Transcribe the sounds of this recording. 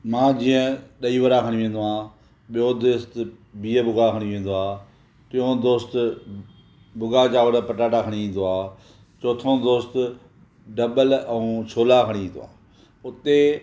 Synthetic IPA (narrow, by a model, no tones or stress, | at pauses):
mãːd͡ʑiːə̃ɗəiːʋəɾakʰəɽ̃iʋẽːn̆d̪oãː | ɓɪjod̪oːst̪ | biːəbʊɡakʰəɽ̃iʋẽːn̆d̪oaː | tɪjõd̪oːst̪ | bʊɡat͡ʃaːʋəɽəpəʈaːʈakʰəɽ̃iĩːn̆d̪oaː | t͡ʃoːt̪ʰõːd̪oːst̪ | ɖəbələũːt͡ʃʰoːlaːkʰəɽ̃iĩːn̆d̪oa̰ː | ʊt̪e